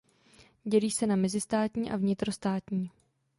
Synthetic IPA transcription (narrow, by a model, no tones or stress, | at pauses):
ɟɛliːsɛnamɛzɪst̪aːt̪ɲiːʔa̰vɲɪt̪ɾost̪aːt̪ɲiː